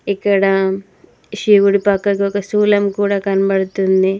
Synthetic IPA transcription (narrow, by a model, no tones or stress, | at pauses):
ikːɐɽɐ | ʃiːʋuɽipakːɐkokɐsuːlɐmkuːɽakɐnbɐɽut̪ːund̪i